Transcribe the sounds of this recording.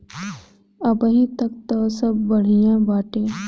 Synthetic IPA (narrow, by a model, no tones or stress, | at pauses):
əbəɦĩt̪ɐk̚t̪osəbːəɽ̤ijãːbaːʈẽː